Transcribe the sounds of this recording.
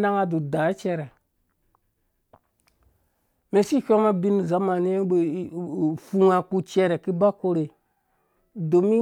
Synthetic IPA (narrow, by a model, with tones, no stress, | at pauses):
na˦ŋa˦du˨da˨˦t͡ʃɛ˦ɾɛ˨ | me˨si˦˨kʲo˦ma˦bi˦n˨za˦ma˨ni˦ja˦ɓe˨fu˦ŋa˨ku˦t͡ʃɛ˦ɾe˨ki˦ba˦ko˦ɾe˨ | do˨mi˦